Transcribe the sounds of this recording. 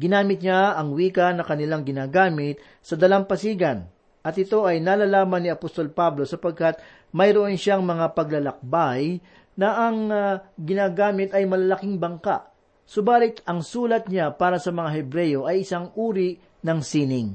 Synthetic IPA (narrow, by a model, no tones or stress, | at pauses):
ɡɪnaːmɪt̪̚ɲaɐŋwiːkɐnɐkɐnɪlaŋɡɪnaːɡaːmɪt̪̚ | sɐd̪ɐlampɐsiːɡɐn | ʔɐt̪ɪt̪o̞ʔɐjnaːlalaːmɐnːiɐpost̪o̞lpablo̞sɐpɐɡ̚kat̪̚ | mɐjɾoʔonʃaŋmɐŋapɐɡ̚lɐlɐk̚baj | nɐʔɐŋɡɪnaːɡaːmɪt̪ɐjmɐlɐalɐkiŋbɐŋka̰ʔ | sobaːlɪt̪ɐŋsuːlɐt̪̚ɲapaːɾɐsɐmɐŋaɦɛbɾɛjo̞ʔɐjɪsaŋʔuːɾi | nɐŋsiːnɪŋ